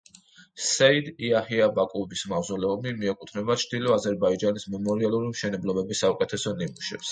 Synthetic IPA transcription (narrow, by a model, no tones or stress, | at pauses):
sɛid̪iahiabakʼubismazɔlɛɔmimiɛkʼut̪ʰnɛbat͡ʃʰd̪̥ilɔazɛɾbaid͡ʒanismɛmɔɾialˠuɾimʃɛnɛblˠɔbɛbisːaukʼɛt̪ʰɛsɔnimuʃɛps